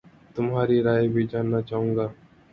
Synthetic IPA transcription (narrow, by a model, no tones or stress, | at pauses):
t̪ʊmɦaːɾiɾaːebʱid͡ʒaːnːat͡ʃaːɦũːŋɡaː